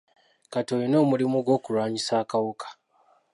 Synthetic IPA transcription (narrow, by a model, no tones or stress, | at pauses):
katoːjono̞ːmulimuɡo̞ːkulwaːɲisaːkawukʰḁ